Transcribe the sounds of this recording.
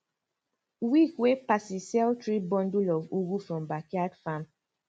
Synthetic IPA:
wikwepasisɛltɹibɔ̃ndulɔvuɡufɹɔ̃mbakiadfãm

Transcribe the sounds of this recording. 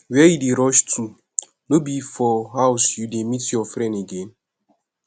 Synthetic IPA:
wɛjideɾɔʃtʰu | nobifɔɦaʊsjudemitjɔfɾɛ̃ndeɡẽn

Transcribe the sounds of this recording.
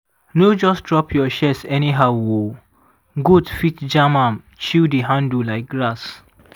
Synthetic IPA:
nod͡ʒɔsdɹɔpʰjɔʃɛsɛniɦaʊwo | ɡudfitd͡ʒamãm | t͡ʃildiɦãndulaɪk̚ɡɹas

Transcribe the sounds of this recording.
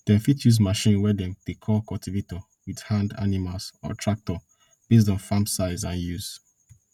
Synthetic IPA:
d̥ɛ̃mfitjuz̬maʃĩnwɛdɛ̃md̥ekʰɔlkɔltivetɔ | widhãnda̰nimalzɔ̰tʰɹak̚tɔ | b̥es̬tɔ̃nfãmsaɪzãnjuz̥

